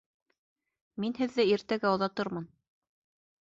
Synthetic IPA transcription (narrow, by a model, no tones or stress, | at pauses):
minhɘ̆ðːɘiɾt̪æɡæŏðɑt̪ɤɾmɤn